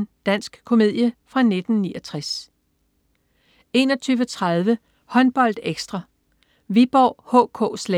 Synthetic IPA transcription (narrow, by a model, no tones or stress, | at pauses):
nd̥æn̰sɡ̥kʰo̝me̝ð̰ˠjəfʁɑ̈ne̝d̥n̩niːɒt͡sʰʁas | e̝̰ːnɒ̽t͡sʰyːʊʋət͡sʰʁað̞ˠʋə | hɒ̽nb̥ɒ̽l̰d̥eɡ̥sd̥ʁɑ̈ | ʋib̥ɒ̰ːhɔ̰̽ːkʰɔ̰̽ːslɛ